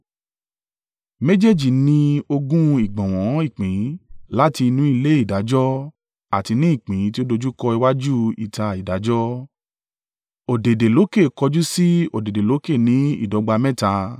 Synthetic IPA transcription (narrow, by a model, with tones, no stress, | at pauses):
me˦d͡ʒe˦˨d͡ʒi˨nĩ˧o˧ɡũ˦i˦˨ɡ͡bɔ̃˨w̃ɔ̃˨˦i˦˨k͡pĩ˨˦la˦ti˧nũ˦i˦˧le˦i˦˨da˨˦d͡ʒɔ˦ | a˨ti˧nĩ˦i˦˨k͡pĩ˨˦ti˦o˦do˧d͡ʒu˦kɔ˧i˧wa˦d͡ʒu˦ḭ˨ta˧i˨da˨˦d͡ʒɔ˦ | o˨de˨de˨lo˨˦ke˦˨kɔ˧d͡ʒu˦si˦o˨de˨de˨lo˨˦ke˦˨nĩ˨˦ḭ˦˨dɔ˨˦ɡ͡ba˧mɛ̃˦ta˧